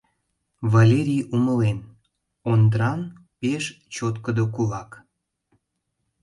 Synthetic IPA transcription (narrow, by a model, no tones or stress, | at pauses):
valʲeɾʲijuməlen | ond̪ɾɑn | peʃ | t͡ɕot̪kəd̪okulɑk